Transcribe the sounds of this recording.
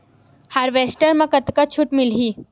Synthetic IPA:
haɾʋeːsʈəɾmɐ̃kət̪kat͡ʃʰʊʈmɪlɦiː

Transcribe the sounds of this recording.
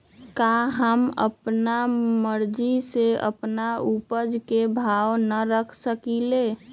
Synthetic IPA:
kaɦəmə̰pnaməɾd͡ʒiseə̰pnaupəd͡ʒkebʱawnəɾəkʰsəkile

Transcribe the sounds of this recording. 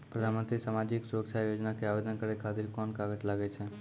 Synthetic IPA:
pɾəd̪ʱanmə̃nt̪ɾisamad͡ʒiksuɾəksajod͡ʒnakeaʋed̪ənkəɾekʰat̪ɪɾkɔnkaɡəd͡ʒlaɡet͡ʃʰe

